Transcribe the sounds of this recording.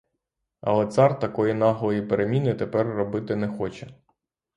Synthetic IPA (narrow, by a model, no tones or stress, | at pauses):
ɐ̰lˠɛt̪sɑrt̪ɐkɔjinɑɦlˠɔjipeɾemʲinɪt̪epɛrːɔbɪt̪ɪnɛxɔt͡ʃɛ